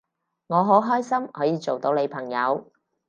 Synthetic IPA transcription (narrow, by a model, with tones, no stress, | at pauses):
ŋɔː˨˧ɦo˨˥wɦɔː˥jsɐ˥mhɔ̰ː˨˥jiː˨˧t͡so˨wt̪o˨˧wne˨˧jpʰɐ˨˩ŋjɐ˨˧w